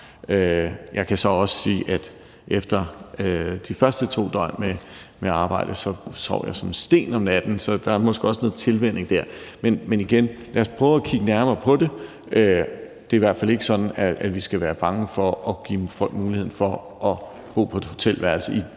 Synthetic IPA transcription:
øjʔɑ̈ɪkʰæsɒ̽ɒ̽sə̥siːʔæd̥ | ʔefd̥ɐød̥ifɶɐsd̥ət͡sʰo̝̰ːd̥ɒɪ̰me | meɑ̈ːb̥ɑ̈ɪ̰d̥əsɒ̽sʰɒ̰ʊ̰jɑ̈ɪsɒ̽msd̥e̝̰ːnɒ̽mnæd̥n̩sɒ̽d̥ɑ̈æɐmɒ̽sɡ̥əɒ̽sənɔ̽ð̩ˠt͡sʰe̝lʋen̰e̝ŋd̥æɐ̰menmeniɡ̥enlæɐspʰʁœːʊɒkʰiɡ̥ənæɐmɐːpʰɒ̽de̝ | ʔø | d̥e̝ɐiʋæɐd̥fæle̝ɡ̥ə̥sɒ̽d̥n̩ææd̥ʋisɡ̥æʋæːɐb̥ɑ̈ŋəfɒ̽ʔɒ̽ɡ̥ḭːfɒ̽l̰ɡ̥muːlihe̝n̩fɒ̽ | ʔɒ̽ | b̥o̝̰ːpʰɒd̥e̝ho̝t͡sʰel̰ʋæɐl̩səi

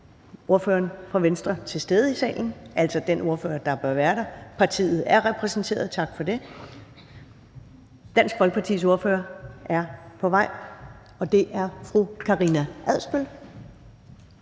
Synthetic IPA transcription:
o̝ɐfø̰ːɐnfʁɑ̈ʋensd̥ʁɐt͡sʰe̝sd̥eðˠəisɛ̰ːln̩ʔæl̰sɒ̽d̥eno̝ɐfø̰ːɐd̥ɑ̈b̥ɶɐʋæːɐɾɑ̈pʰɑ̈t͡sʰḭːð̞̩ˠæɐʁɛpʰʁɛsn̩t͡sʰe̝̰ːɐð̞̩ˠt͡sʰɑ̈ɡ̥fɒ̽d̥e̝ | d̥æn̰sɡ̥ʋɒ̽lɡ̥̚pʰɑ̈t͡sʰḭːs̬o̝ɐfø̰ːɐæɐpʰɒ̽ʋɑ̈ɪ̰ | ɒ̽d̥e̝ʔæɐfʁukʰɑ̈ʁinæʔæðˠsb̥øl

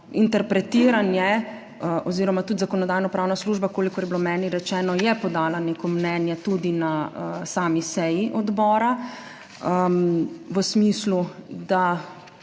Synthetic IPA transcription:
int̪ɛɾpɾɛt̪iːɾanjɛ | ʔɔziːɾɔmat̪ut̪zakɔnɔd̪aːjnɔpɾaːwnasluːʒbakoːlikɔɾjɛbilomɛːniɾɛt͡ʃɛːnɔjɛpɔd̪aːlaneːkɔmnɛːnjɛt̪ud̪inasaːmisɛjiʔɔd̪bɔːɾa | ə | ʋəsmislud̪a

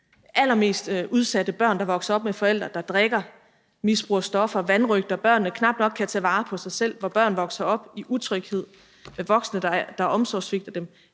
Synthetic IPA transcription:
ʔæl̰ɐme̝̰ːsd̥ʔuð̞ˠsæd̥əb̥ɶɐ̰nd̥ɑ̈ʋɒ̽ɡ̥sɐɒ̽b̥̚mefɒ̽el̰d̥ʁɐd̥ɑ̈d̥ʁeɡ̥ɐ | misb̥ʁuɐsd̥ɒ̽fɐʋænʁœɡ̥̚d̥ɐb̥ɶɐ̰nːəkʰnɑ̈b̥nɒ̽ɡ̥̚kʰːæt͡sʰɛːʋɑ̈ːpʰɒ̽sɑ̈ɪsel̰ʋɒb̥ɶɐ̰n̩ʋɒ̽ɡ̥sɐɒ̽b̥iʔut͡sʰʁœɡ̥he̝ð̞̰ˠ | meʋɒ̽ɡ̥snə̥d̥ɑ̈ʔɒ̽msɒ̰ːsʋe̝ɡ̥d̥ɐd̥em

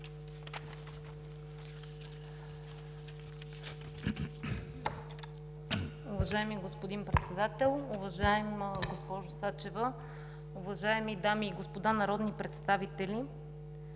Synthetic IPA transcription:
ʊvɐʒaɛmiɡospod̪inpɾɛt̪sɛd̪at̪ɛlˠʊvɐʒaɛmɡospɔʒʊsat͡ʃɛvə | uvɐʒaɛmid̪amiːɡospod̪anɐɾɔd̪nipɾɛt̪st̪avit̪ɛli

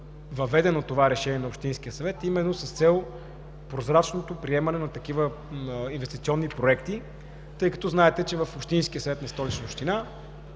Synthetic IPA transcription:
vɐvɛd̪ɛnot̪ːovaɾɛʃɛniɛnɐopʃt̪inskʲiəsɐvɛt̪imɛnːosɐst̪sɛlˠ | pɾozɾat͡ʃnot̪opɾiɛmɐnɛnɐt̪ɐk̟ivə | invɛst̪it̪siɔnːipɾoɛkt̪i | t̪ɤjkɐ̥t̪ɔznaɛt̪ɛt͡ʃɛvɐfopʃt̪inskʲiəsɐvɛt̪nɐst̪ɔlit͡ʃnəopʃt̪ina

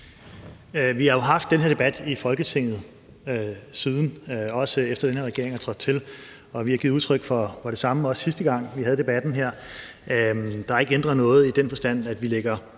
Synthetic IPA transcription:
ʋihɑ̈jo̝ɦɑ̈fd̥ːenɦe̝ɐd̥e̝b̥æd̥ifɒ̽lɡ̥ət͡sʰe̝ŋ̰ð̞̩ˠ | siːð̞ˠn̩ɒ̽səefd̥ɐd̥enhe̝ɐʁɛɡ̥e̝ɐeŋhæt͡sʰʁɒɡ̥̚t͡sʰe̝l | ɒ̽ʋihɑ̈ɡið̩ˠuðˠt͡sʰʁœɡ̥fɒfɒ̽ɾ̥e̝sɑ̈məɒ̽ssisd̥əɡ̥ɑ̈ŋ̰ʋihæð̞̩ˠd̥e̝b̥æd̥n̩ɦeɐ̰ | d̥ɑ̈e̝ɡ̥end̥ʁɐnɔ̽ːð̞̩ˠid̥enfɒ̽sd̥æn̰æd̥ʋileɡ̥ɐ

